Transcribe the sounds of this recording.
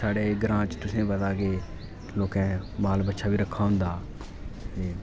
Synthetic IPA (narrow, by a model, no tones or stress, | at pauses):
saːɽeːɡəɾãːt͡ʃt̪ʊsẽːbəd̪aːkeː | loːkɛ̃ːmaːlbətːʃʰaːbiːɾəkʰːaːʊ̃nd̪aː | t̪eː